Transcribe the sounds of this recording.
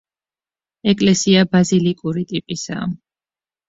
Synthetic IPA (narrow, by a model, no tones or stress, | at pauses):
ɛkʼlɛsiabazilikʼuɾit̪ʼipʼisa̰ːm